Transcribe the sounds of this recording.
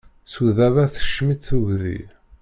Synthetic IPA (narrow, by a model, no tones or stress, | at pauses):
suðævæθə̥ʃːmit̪θuʝðḭ